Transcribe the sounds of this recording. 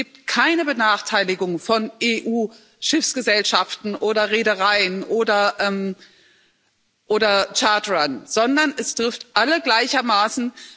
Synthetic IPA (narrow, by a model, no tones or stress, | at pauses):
iːp̚tkʰaɪnəbənaːχtʰaɪlɪɡʊŋfɔnʔeːʔuː | ʃɪfsɡ̥əzɛlʃaftn̩ʔoːdɐʁeːdəʁaɪənʔoːdɐʔɛm | ʔoːɾɐt͡ʃaɐtʁanz̥ɔndɐnʔɛstʁ̥ɪftʔaləɡlaɪçɐmaːsn̩